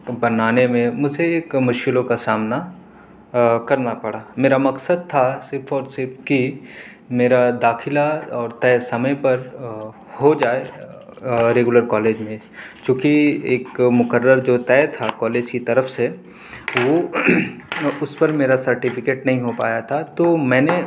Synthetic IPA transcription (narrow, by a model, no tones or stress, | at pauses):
bɐnaːnemẽmʊd͡ʒʱeeːkmʊʃkɪlõkasaːmna | kɐɾnapɐɽaːmeːɾamɐksəd̪̚t̪ʰasɪɾpʰɔːɾsɪɾpʰki | meːɾad̪aːxʰɪlaɔːɾt̪ɛːsɐməjpɐɾ | hod͡ʒaːe | ɾeːɡʊləɾkɔːleːd͡ʒmẽ | kjũːkieːkmʊkəɾːəɾd͡ʒoːt̪ɛːt̪ʰakɔːleːd͡ʒkit̪ɐɾəfse | ʋo | ʊspɐɾmeːɾasɐɾʈɪfʰɪkeːʈnɐɦĩɦopa̰ːjat̪ʰat̪oːmɛ̃ːne